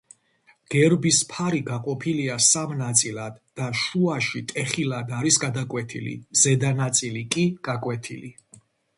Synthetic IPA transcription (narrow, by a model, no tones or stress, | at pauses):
ɡ̥ɛɾbispʰaɾiɡaqʼɔpʰiliasamnat̪sʼilad̪ːaʃuaʃit̪ʼɛχilad̪aɾisɡad̪akʼwɛt̪ʰḭlḭzɛd̪anat̪sʼilikʼiɡ̥akʼwɛt̪ʰḭli